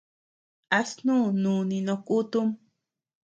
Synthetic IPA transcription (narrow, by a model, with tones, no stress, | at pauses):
a˧snũ˦nũː˨nĩ˧nõ˧ku˦t̪u˦m